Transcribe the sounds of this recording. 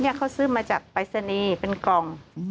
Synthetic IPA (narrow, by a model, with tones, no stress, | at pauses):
ni˦˥˩ɐkʰa˦˥˩wsɯː˥˩maː˧t͡ɕaː˨˩k̚pa˧jsa˧niː˧pe˧nkɔ˧ŋ